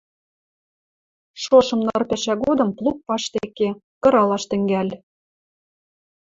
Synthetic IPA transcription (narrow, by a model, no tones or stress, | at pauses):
ʃoʃɤ̆mnɤrpʲæʃæɡod̪ɤ̆mplˠuk̚pɑʃt̪eke | kɤ̆ɾɑlɑʃt̪ɘ̆ŋɡælʲ